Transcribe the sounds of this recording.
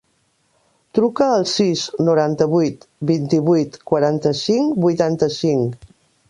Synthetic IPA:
t̪ɾukəːlˠsiznuɾant̪əβujt̪bint̪iβujt̪kwəɾant̪əsiŋbujt̪ant̪əsiŋ

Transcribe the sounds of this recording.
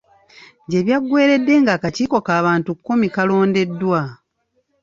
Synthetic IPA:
ɲɟe̞βjaɡːwe̞ːɾe̞dːe̞ŋɡaːkaciːko̞kaːβaːntukːomikalo̞ːnde̞dːwa

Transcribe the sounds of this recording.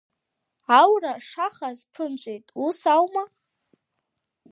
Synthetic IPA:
awraʂaχazpʰɨnt͡ʃʷʼejtʼusawma

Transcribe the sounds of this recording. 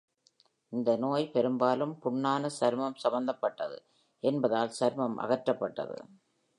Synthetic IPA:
ɪnd̪ɐnoːjpɛɾɯmbaːlɯmpʊɳːaːnɐsɐɾmɐmsɐmɐnd̪ɐpːɐʈːɐðɯ̰ | ʔɛnbɐðaːlsɐɾmɐmʔɐ̰ɣɐʈɾɐpːɐʈːɐ̰ðɯ̰

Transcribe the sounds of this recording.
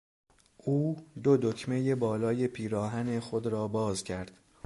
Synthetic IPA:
ʔuːd̪od̪ocʰme̞jebɒːlɒːje̞pʰiːɾɒːɦænexo̞d̪ɾɒːbɒːzcʰæɾd̪̥

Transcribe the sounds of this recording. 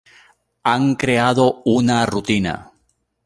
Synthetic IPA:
aŋkɾe̞aðo̞unarut̪ina̰

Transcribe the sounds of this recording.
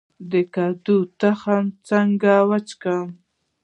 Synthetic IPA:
d̪ɪkad̪ut̪ahamt͡saŋɡawat͡ʃkam

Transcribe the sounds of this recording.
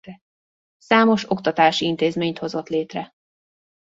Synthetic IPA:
saːmo̞ʃo̞kt̪ɒt̪aːʃiint̪eːzmeːɲt̪ho̞zo̞t̪leːt̪rɛ

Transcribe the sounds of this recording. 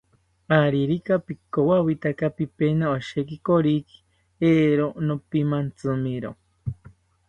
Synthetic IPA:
aɾiɾikapikowawit̪akapipenaoʃekikoɾiki̥ | eːɾonopimant͡sɨmiɾo̰

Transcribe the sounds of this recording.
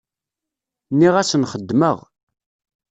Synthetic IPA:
nːiʁæsənχəd̪ːməʁ

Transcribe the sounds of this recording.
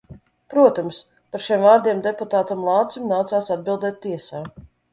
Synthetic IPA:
pɾuɔt̪ams | paɾʃiɛmvaːɾd̪ʲiɛmd̪eput̪aːt̪amlˠɑːt̪simnaːt̪saːsad̪̚bilˠd̪ɛːt̪ʲːiɛsaː

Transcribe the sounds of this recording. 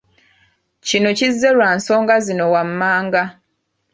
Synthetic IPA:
cino̞cizːe̞lwaːnso̞ːŋɡazino̞wamːaːŋɡa

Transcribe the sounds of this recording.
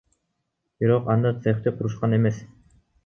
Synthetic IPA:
b̥iɾoqɑnd̪ɑt̪seχt̪eqʰuɾuʃqɑnemes

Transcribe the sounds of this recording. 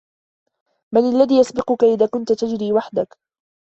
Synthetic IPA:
manalːaðiːjasbɪqʊkaʔɪðaːkʊnt̪at̪ad͡ʒɾiːwaħd̪ak

